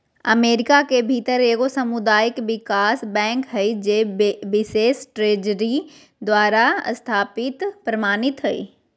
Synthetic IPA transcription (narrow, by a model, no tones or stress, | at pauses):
ɐ̰meːɾɪkakebʱiːt̪əɾeɡosɐmʊd̪aːɪkʋɪkaːsbɛ̃ːŋkɦɐid͡ʑeːbɪseːsʈɾeːd͡ʑəɾi | d̪waːɾast̪ʰaːpɪt̪pɾɐmaːnɪt̪ɦɐḭː